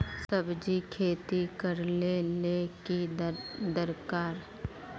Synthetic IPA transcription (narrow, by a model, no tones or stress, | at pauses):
səbd͡ʒikʰeːt̪ikəɾlelekid̪əɾkaːɾ